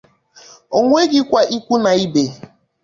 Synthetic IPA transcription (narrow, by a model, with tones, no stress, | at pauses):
o˨ŋʷe˦ɡɪ˦kʷa˦ʔi˦kʷu˦na˨i˦be˨